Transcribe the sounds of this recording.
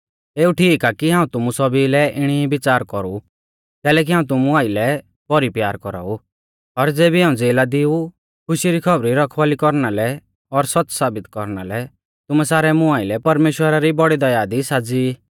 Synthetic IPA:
eːuʈʰiːkakiɦãːũt̪ʊmusɔbilɛʔɪɽ̃ibɪt͡saːɾkɔɾu | t̪ɛːlɛːk̬iɦãːũt̪ʊmuaːilɛ | b̥ɔɾipjaːɾkɔɾa̰ːu | ɔɾd͡zeːbiɦaːũd͡zeːlad̪ɪu | kʰʊʃiɾikʰɔbɾiɾɔkʰʋaːlikɔɾnalɛ | ɔɾsɔt͡ssaːbɪt̪kɔ̰ɾnalɛ | t̪ʊmɛsaːɾɛmʊaːɪlɛpɐɾmeːʃwəɾaɾibɔɽid̪ɐjaːd̪isaːd͡zi

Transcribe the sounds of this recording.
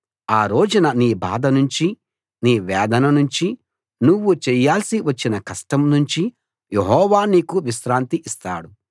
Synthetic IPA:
aːɾoːd͡ʒunɐniːba̰ːd̪ɐnuɲt͡ʃi | niːʋɛːd̪ɐnɐnuɲt͡ʃi | nuʋːut͡ʃɛjːaːlsiʋɐt͡ʃːinɐkɐsʈɐmnuɲt͡ʃi | jeɦɔːʋaːniːkuʋiʃɾaːnt̪iʔist̪a̰ːɽu

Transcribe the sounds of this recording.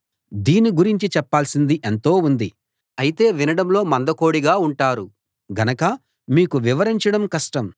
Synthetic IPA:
d̪iːnːiɡuɾiɲt͡ʃit͡ʃɛpːaːlsind̪iʔent̪o̞ːund̪i | ɐjit̪e̞ːʋinɐɽɐmlo̞ːmɐnd̪ɐko̞ːɽiɡaːuɳʈaːɾu | ɡɐnɐkɐ | miːkuʋiʋɐɾiɲt͡ʃɐɽɐmkɐʂʈɐm

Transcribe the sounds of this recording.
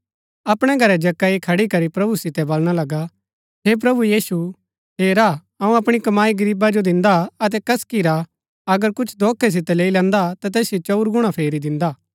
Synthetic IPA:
ɐpɽ̃ɛɡʱɐɾɛd͡ʒɐkːaikʰɐɽikɐɾipɾɐbusɪt̪ɛbɐlɽ̃alɐɡa | ɦep̬ɾɐbujiːsu | ɦeːɾa | ɐũɐpɽ̃ikɐmaːiɡɐɾiːbad͡ʒod̪ɪ̃nd̪aɐt̪̬ɛkɐskiɾa | ɐɡəɾkʊt͡ʃʰd̪ʱoːkʰɛs̬ɪt̪ɛleːilɛ̃ːnd̪at̪at̪ɛːsjot͡ʃɐʊɾɡʊɽ̃apʰeːɾid̪ɪ̃nd̪aː

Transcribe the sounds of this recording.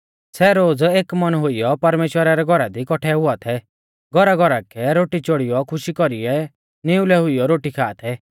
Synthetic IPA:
sɛɾoːd͡zeːkmɐnɦʊijɔpɐɾmeːʃwəɾaɾɛɡʱɔɾad̪ikɔʈʰɛɦʊat̪ʰɛ | ɡʱɔɾaɡʱɔɾakʰɛɾoːʈit͡ʃoɽijɔkʰʊʃikɔɾiɛ | nɪʊlɛɦʊijɔɾoːʈikʰaːt̪ʰɛ

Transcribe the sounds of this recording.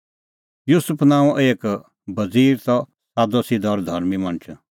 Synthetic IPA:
juːsʊpʰnãːũʔeːk | bɐd͡ziːɾt̪ɔ | sad̪oːsid̪ɔːɾd̪ʱɐɾmimɐ̃nt͡ʃ

